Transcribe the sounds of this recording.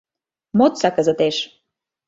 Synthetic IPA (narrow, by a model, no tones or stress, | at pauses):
mot̪t͡sɑkəzə̆t̪eʃ